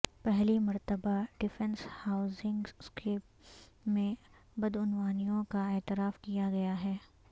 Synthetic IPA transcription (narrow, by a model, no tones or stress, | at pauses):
pɛɦlimɐɾt̪əbaɖɪfɛ̃nshaːʊzɪ̃ŋɡskeːp̚ | mẽ | bɐd̪ʊnʋaːnijõkaɛːt̪ɪɾaːfkijaɡɐjaɦɛː